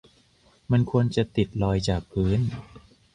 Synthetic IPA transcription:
ma˧nkʰu˧ənt͡ɕa˨˩t̪i˨˩t̪̚lɔː˧jt͡ɕaː˨˩k̚pʰɯː˦˥n

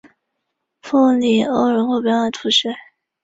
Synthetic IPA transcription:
fʰu˥˩li˨˩o˥˩ʊɻə˧˥nxo˥˩ʊpjɑ˧˥na˧˩t̪ʰu˧˥ʂɛ˥˩

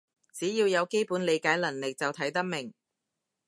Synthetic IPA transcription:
t͡siː˨˥jiː˧wjɐ˨˧wke˥jpuː˨˥nle˨˧jkaː˨˥jlɐ˨˩nlɪ˨k̚t͡sɐ˨wt̪ʰɐ˨˥jt̪ɐ˥k̚mɪ˨˩ŋ

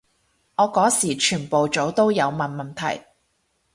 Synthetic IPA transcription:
ŋɔː˨˧kɔː˨˥siː˨˩t͡ʃʰyː˨˩npo˨wt͡so˨˥wt̪o˥wjɐ˨˧wmɐ˨nmɐ˨˩nt̪ʰɐ̰˨˩j

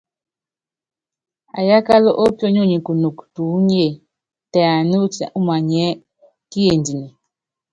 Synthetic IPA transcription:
a̰˨ja˦ka˦lɔ˦ʔo˦pjɔ˦ɲo˦˨ɲi˨ku˨nu˨ktu˨˦ɲ˦e˦˨ | ta˨a˨nu˦ta̰˨ʔu˦ma˨ɲɛ˦ | ki˦je˨ndi˨ni˨

